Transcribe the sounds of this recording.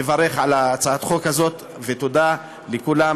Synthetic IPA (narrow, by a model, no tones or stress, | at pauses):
evaʁe̞χʕalat͡saat̪χokazo̞t̪ | vet̪od̪a | lekula